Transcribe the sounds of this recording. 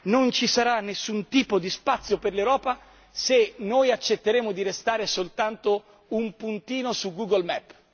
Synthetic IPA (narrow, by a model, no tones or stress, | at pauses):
nont͡ʃisaɾanːesːunt̪iːpod̪ispat̪sːjoperlewɾɔːpa | senoːjat͡ʃːet̪ːeɾeːmod̪iɾest̪aːɾesolt̪ant̪o | umpunt̪iːnosuɡuɡolmɛpː